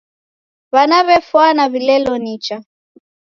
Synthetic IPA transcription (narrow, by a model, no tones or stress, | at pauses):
βanaβɛfwanaβilɛlɔnit͡ʃa